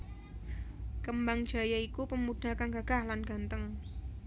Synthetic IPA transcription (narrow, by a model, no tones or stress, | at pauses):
kəmbaŋd̥ʒ̥a̤jaikupəmud̥a̤kanɡaɡ̥ahlanɡ̥a̤nt̪əŋ